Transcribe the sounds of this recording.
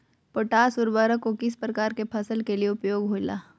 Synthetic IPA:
poʈaːsʊɾbaːɾəkokɪspɾɐkaːɾkepʰɐsəlkelieʊpjoːɡɦoɪla̰ː

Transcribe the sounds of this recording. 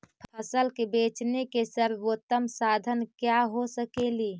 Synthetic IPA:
pʰpʰəsəlkebeːt͡ʃnekesəɾɡot̪ːəmsad̪ʱənkjaɦosəkeli

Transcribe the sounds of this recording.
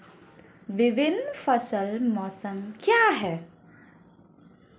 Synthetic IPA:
ʋɪʋɪnːfəsəlmɔːsəmkjaːɦɛː

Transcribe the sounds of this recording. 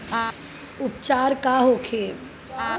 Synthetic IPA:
ʊpt͡ʃaːɾkaɦoːkʰeː

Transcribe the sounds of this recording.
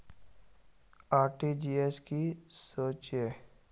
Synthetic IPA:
aːɾʈid͡ʒiːeskisoːt͡ʃe

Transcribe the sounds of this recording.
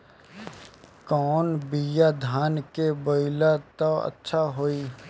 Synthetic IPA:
kɔːnbijad̪ʱaːnkeboɪlat̪oə̰tːʃʰaɦoːiː

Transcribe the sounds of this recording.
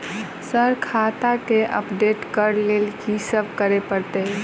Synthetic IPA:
səɾkʰat̪akeʔə̰pɖeʈkəɾlelkisəb̚ʱkəɾepəɾt̪e

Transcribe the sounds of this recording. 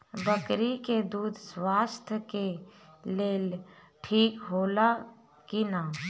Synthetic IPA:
bəkɾiked̪uːd̪ʱswaːst̪ʰkeleːl | ʈʰiːkɦoːla | kinaː

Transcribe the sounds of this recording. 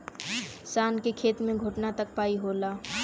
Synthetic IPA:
saːnkekʰeːt̪mẽɡʱʊʈnat̪ɐk̚paːiɦoːlaː

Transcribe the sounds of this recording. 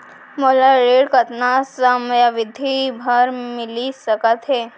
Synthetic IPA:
məlaɾeɽkət̪nasəmjaʋid̪ʱibʱəɾmilisəkət̪ɦe

